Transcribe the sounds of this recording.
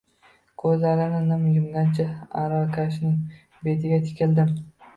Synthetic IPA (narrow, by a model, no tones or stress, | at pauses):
kʰɵzlaɾɪnɪnɪmjʊmd̪ant͡ʃʰaaɾakʲʰaʃ̬nɪŋ | be̞t̪ʰɪɡʲat̪ʰɪ̥kʲʰɪld̪ɪm